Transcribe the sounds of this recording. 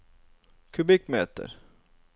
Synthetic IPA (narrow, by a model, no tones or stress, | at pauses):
kʰɵbɪkːmeːt̪ə̰ɾ